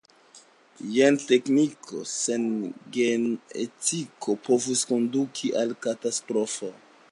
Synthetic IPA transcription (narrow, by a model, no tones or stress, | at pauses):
jente̞knikʰo̞̰senɡenḛtikʰopo̞vusko̞ndukʰiʔalkatastɾo̞fo